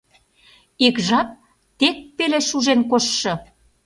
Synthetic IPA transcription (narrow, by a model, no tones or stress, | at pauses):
ikʒɑp̚ | t̪ek̚peleʃuʒenkoʃːɤ̆